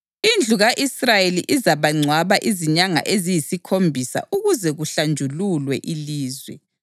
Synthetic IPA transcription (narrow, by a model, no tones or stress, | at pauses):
ind͡ɮʱuɣaʔisrajeliʔizaβaŋ͡ǀʱwaβaʔiziɲaŋa̰ʔezijisikʰombʱisa̰ʔuɣuzɛɣuɬand͡ʒʱululwɛ̰ʔiliːzwɛ̰